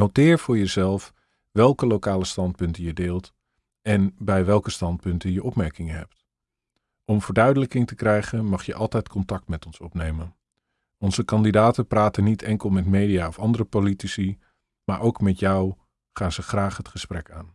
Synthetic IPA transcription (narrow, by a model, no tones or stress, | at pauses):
notɪːɹv̥ʊːɹjəzɛlˠf | ʋɛlˠkəlowkaːləstɑnt̚pʏntəjədeːlˠt | ɛnbɛjʋɛlˠkəstɑnt̚pɵntəjəʔɔpmɛɹkɪŋənɦɛ̰pt | ʔɔmvəɹdœɥdələkɪŋtəkrɛjχənmɑχjə̰ʔɑlˠtɛjtkʰɔntɑk̚tmɛtɔnsɔpnejmən | ɔnzəkɑndidaːtəpraːtənitʰɛŋkəlˠmɛtmejdiaːɔfɑndərəpolitisi | maːɹʔowkmɛtjɔw | χaːnzəχraːχɦətχəsprɛkaːn